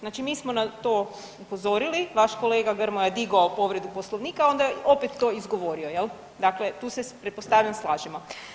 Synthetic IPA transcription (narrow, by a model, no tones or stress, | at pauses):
znaːt͡ʃimiːsmo̞nat̪oː | upo̞zo̞ɾiliʋaʃkoleːɡaɡəɾmojed̪iɡoopo̞ʋɾe̞d̪uposlˠoʋniːkao̞nd̪aeo̞pet̪ːo̞ːizɡo̞ʋo̞ːɾiojel | d̪akle̞t̪uːsepɾet̪po̞st̪aːʋʎʲamslˠaːʒimo